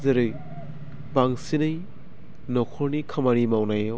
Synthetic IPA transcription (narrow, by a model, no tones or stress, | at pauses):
zɐɾɯj | baŋsinɯj | nɔkʰɔɾnikʰɐmaɾimawnajɔ